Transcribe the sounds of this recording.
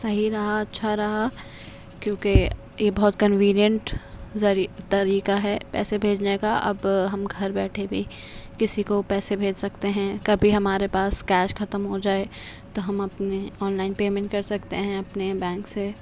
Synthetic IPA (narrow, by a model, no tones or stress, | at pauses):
sɐɦiɾɐɦaɐtːʃʰaɾɐɦa | kjõːke | jebɐɦʊt̪kɐnʋiːnijə̃ɳʈzɐt̪ɐɾiːkaɦɛːpɛ̰ːsebʱeːd͡ʒnekaʔɐ̰bɦɐmɡʱɐɾbɛːʈʰebʱikɪsikopɛːsebʱeːd͡ʒsɐkt̪eɦɛ̃kɐbʱiɦɐmaːɾepaːskɛːʃxʰɐt̪əmɦod͡ʒaːe | t̪oɦɐmɐpneɔːnlaːɪnpeːmɛ̃ɳʈ̚kɐɾsɐkt̪eɦɛ̃ɐpnebɛ̃ːŋkse